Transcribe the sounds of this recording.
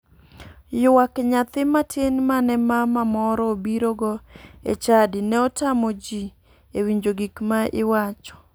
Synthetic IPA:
jʊwakɲat̪ɪmatʰenmanɛmamamɔɾɔobiɾoɡɔḛt͡ʃadɪnɛɔtamɔd͡ʒi | ewiɲd͡ʒoɡikmaɪwat͡ʃɔ̥

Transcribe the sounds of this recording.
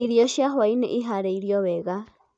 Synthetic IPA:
iɾijɔʃjaɦwainɛ̰ʔiɦaɾɛiɾjɔβɛɣa

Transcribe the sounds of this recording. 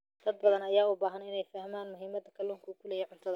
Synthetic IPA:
d̪̥ɐd̪̚bɐðɐnɐjaːʊbaːɦɐnɪnɛjfɐhmaːnmʊɦiːmɐd̪ɐkʰɐluŋkʰukʰʊlɛjɛʕʊnt̪ʰɐðɐ

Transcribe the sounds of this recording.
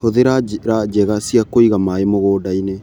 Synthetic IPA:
hoðeɾaɾad͡ʒɛɣasiakoiɣamaemoɣoːdaine

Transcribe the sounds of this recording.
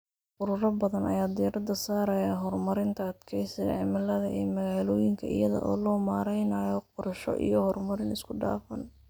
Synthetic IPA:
ʔʊɾʊɾɐbɐðɐnʔɐ̰jaːd̪ijɾɐd̪ɐsaːɾɐjaːɦɔrmɐɾɪnt̪ʰɐɐd̪kʰɛjsɐ̰ʕɪmɐlɐðɐʔɛ̰ːmɐɣaːlɔːjɪŋkʰɐɪ̰jɐðɐ̰ʔɔ̰ːlɔːmaːɾɛjnaːjɔq̚ʊɾʃɔ̰ʔḭjɔhɔrmɐɾɪnɪskʰʊɖa̰ːfɐn

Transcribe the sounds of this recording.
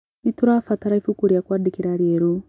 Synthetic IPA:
ituɾafataɾaifukuɾjakwadikiɾaɾjeɾu

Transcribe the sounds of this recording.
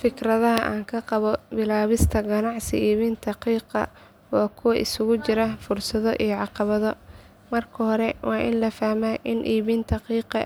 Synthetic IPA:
fɪkrɐðɐɦɐʔa̰ːŋkʰɐqɑβɔbɪlaːβɪst̪ʰɐɡɐnɑʕsɪ̰iːβint̪ʰɐqiːqɑ̰ | waːkʰʊwɐʔɪsʊɣʊt͡ʃɪɾɐfʊrsɐðɔʔijɔʕɑqɑβɐðɔ | mɐrkʰɐhɔɾɛwɑːʔɪnlɐfahmaːʔɪnʔiːβint̪ʰɐqiːqɑ

